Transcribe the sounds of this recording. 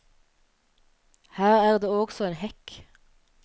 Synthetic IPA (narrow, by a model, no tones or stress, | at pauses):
hæːʁæːʁd̪eːoːɡsɔeːnhɛk